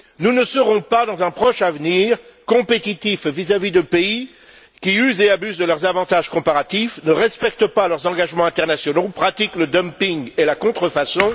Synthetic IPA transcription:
nunəsəʁɔ̃pad̪ɑ̃zɛ̃pχɔʃavniːʁkɔ̃pet̪it̪ifvizavid̪əpei | kʲiyzeabyzd̪əlœʁzavɑ̃t̪aʒkɔ̃paʁat̪ifnəʁɛspɛkt̪əpalœʁzɑ̃ɡaʒmɑ̃ɛ̃t̪ɛʁnasjɔnopχat̪ikləd̪œmpiŋɡelakɔ̃t̪χəfasɔ̃

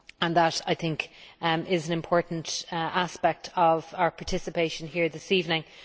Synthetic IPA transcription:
ə̃nðəɾa̰ɪθɪ̃ŋkɪzə̃nɪ̃mpʰɔɹʔn̩tʔaspɛk̚tʰəvaʊə˞pʰɑɹtʰɪsəpʰeɪʃə̃nɦiɹðɪsiːvnɪ̃ŋ

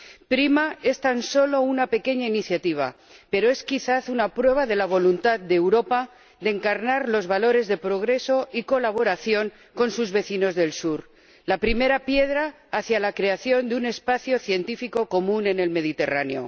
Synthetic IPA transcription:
pɾimae̞st̪anso̞lo̞unape̞ke̞ɲainiθjat̪iβ̞a̰ | pe̞ɾo̞e̞skiθaθunapɾwe̞β̞aðe̞laβ̞o̞lunt̪aðd̪eːwɾo̞pa | d̪e̞ŋkaɾnaɾlo̞zβalo̞ɾe̞zðe̞pɾo̞ɣ̞ɾe̞so̞iko̞laβ̞o̞ɾaθjo̞ŋ | ko̞nsuzβe̞θino̞zðe̞lsuɾ | lapɾime̞ɾapje̞ðɾaː | θjalakɾe̞aθjo̞nd̪eune̞spaθjo̞θje̞nt̪ifiko̞ko̞mũne̞ne̞lme̞ð̞it̪e̞ra̰neo̞̰

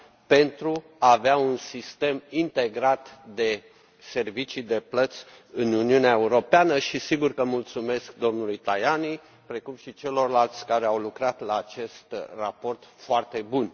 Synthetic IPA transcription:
pe̞nt̪ɾu | aːveaunsist̪e̞mint̪e̞ɡɾat̪d̪e̞ | se̞rvit͡ʃid̪e̞plət̪sʲ | ɨnuniuneaeuɾo̞peanəʃisiɡurkəmult̪sume̞sk̚d̪o̞mnulujt̪ajani | pɾe̞kumʃit͡ʃe̞lo̞rlalt̪sʲkaɾeawlukɾat̪laːt͡ʃe̞st̪rapo̞rt̪foart̪e̞bun

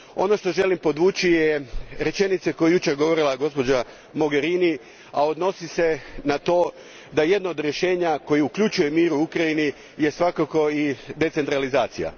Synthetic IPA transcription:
o̞̰no̞ʃt̪o̞ʒe̞limpo̞d̪ʋuːt͡ʃijeɾe̞t͡ʃe̞nit̪seko̞jejut͡ʃeɾɡoʋo̞ɾilˠaɡo̞spo̞d͡ʒa | mo̞ɡe̞ɾini | ao̞d̪no̞sise̞nat̪o̞ː | d̪aje̞d̪nood̪ɾje̞ʃe̞ːɲako̞jiukʎut͡ʃuje̞miːɾuukɾaini | je̞sʋakako̞id̪e̞t̪se̞nt̪ɾalizaːt̪sija̰

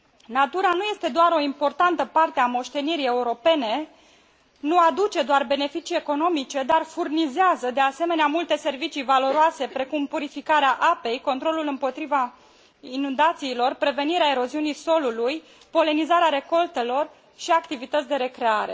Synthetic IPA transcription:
nat̪uɾanuje̞st̪e̞d̪oaɾo̞impo̞rt̪ant̪əpart̪eamo̞ʃt̪e̞niɾije̞uɾo̞pe̞ne̞ | nuad̪ut͡ʃe̞d̪oarbe̞ne̞fit͡ʃije̞ko̞no̞mit͡ʃe̞d̪arfurnizeazəd̪e̞ase̞me̞neamult̪e̞se̞rvit͡ʃijvalo̞ɾoase̞pɾe̞kumpuɾifikaɾeaʔape̞jko̞nt̪ɾo̞lulɨmpo̞t̪ɾiva | inund̪at̪siːlo̞rpɾe̞ve̞niɾeae̞ɾo̞ziunijso̞luluj | po̞le̞nizaɾeaɾe̞ko̞lt̪e̞lo̞r | ʃiakt̪ivit̪ət̪sʲd̪e̞ɾe̞kɾe̞aɾe̞̰

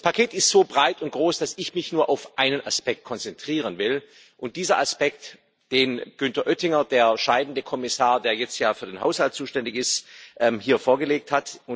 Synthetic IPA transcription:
d̥aspʰakʰeːtɪstz̥oːbʁaɪtʊnt̚ɡ̥ʁoːsd̥asɪçmɪçnuːɐʔaʊfʔaɪnənʔa̰spɛk̚t̚kʰɔnt͡sɛntʁ̥iːʁ̞ənvɪl | ʔʊnt̚d̥iːzɐʔaspɛk̚t | d̥eːnɡ̥ʏntɐʔœtɪŋɐd̥eːɐʃaɪdn̩dəkʰɔmɪsaːɐdeːɐjɛt͡stjaːfyːɐdeːnhɦaʊshalt̚t͡suːʃtɛndɪçɪstʔɛːmhiːɐfoːɐɡəleːk̚thatʊ

